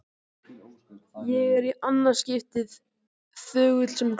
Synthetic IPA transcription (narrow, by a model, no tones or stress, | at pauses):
jɛɣɛɾiʔanːḁscɪft̪ɪð | θœːɣʏt̪l̥sɛm